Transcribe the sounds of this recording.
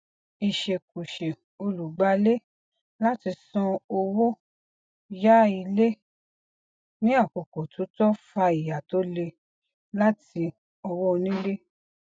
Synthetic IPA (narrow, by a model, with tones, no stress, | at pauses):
i˨ʃe˨ku˨ʃe˨ | o˧lu˨ɡ͡ba˨˦le˦ | la˦ti˧sɔ̃˧o˧wo˦ | ja˦i˧le˦ | nĩ˦a˦˨ko˨ko˨tʰo˨˦tɔ˦fa˧i˨ja˨to˨˦le˧ | la˦ti˧ | ɔ˧wɔ˦o˧nĩ˦le˦